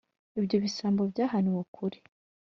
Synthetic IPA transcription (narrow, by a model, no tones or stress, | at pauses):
ibjo̞βisaːmbobjaːɦaniwokʰuɾi̥